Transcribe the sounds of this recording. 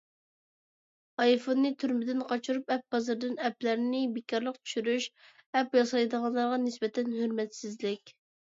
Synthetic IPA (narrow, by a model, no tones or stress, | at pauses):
ɑjfonːɨt̪ʰyɾmɪd̪ɪnqʰɑt͡ʃʰuɾupɛp̚bɑzɨɾd̪ɨnɛplæɾnɪbɪkʲːɑɾlˠəqt͡ʃ̪ʰy̥ʃyɾyʃɛpjɑsɑjd̪əʁɑnlˠɑɾʁɑnɪsbɛt̪ʰɛnhøɾmɛt̪sɪzlɪkʲ